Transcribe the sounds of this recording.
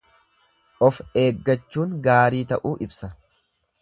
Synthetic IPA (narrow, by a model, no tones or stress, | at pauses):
ʔɔfe̞ːɡːɐt͡ʃːuːŋɡaːɾiːt̪ɐʔuːʔɪbsɐ